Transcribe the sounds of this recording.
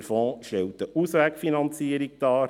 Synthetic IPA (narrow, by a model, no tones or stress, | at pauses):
ɾfɔ̃ːʃtɛwt̪əʔusʋæːkfinɑnt͡siəɾik̚d̥ɑː